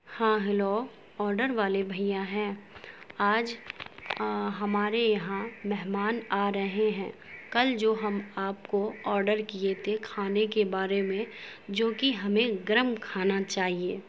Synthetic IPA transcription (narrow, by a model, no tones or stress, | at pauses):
hãːɦɪloː | ɔːɾɖəɾʋaːlebʱɐijãɦɛ̃ː | aːd͡ʒ | ɦɐmaːɾejɐɦãmɛɦmaːnaːɾɐɦeɦɛ̃ːkɐld͡ʒoːɦɐmaːpkoɔːɾɖəɾkiet̪ʰekʰaːnekebaːɾemẽd͡ʒoːkiɦɐmẽɡɾəmkʰaːnat͡ʃaːɦieː